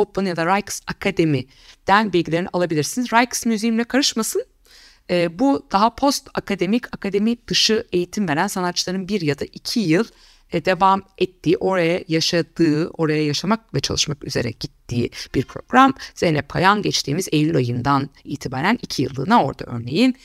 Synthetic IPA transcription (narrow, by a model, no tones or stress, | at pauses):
opɯnjad̪aɾajksakʰad̪e̞mi | d̪̥ænbilʲɟilʲeinialˠabilʲiɾsinizɾajksmyzijimlʲɛkʰaɾɯʃmasɯn | ɛːbud̪̥aɦapʰo̞st̪akʰad̪e̞micʰakʰad̪e̞mid̪̥ɯʃɯe̞jit̪ʰimve̞ɾænsanat̪t͡ʃːlˠaɾɯnbiɾjad̪aʔicʰijɯlˠ | d̪e̞vamɛt̪ʰːiːʔo̞ɾajajaʃad̪ɯːo̞ɾajajaʃamak̚vɛt͡ʃʰa̰lˠɯʃmaky̰ze̞ɾɛ̰ɟ̥it̪ʰːiːb̥iɾpʰɾo̞ɡɾamz̥enɛpʰajanɟɛt͡ʃt̪ʰiːmizejʲylʲajɯnd̪anijt̪ʰibaːɾænicʰijɯ̰lˠːɯ̰ːnao̞̰ɾd̪a̰ʔø̞̰ɾne̞jin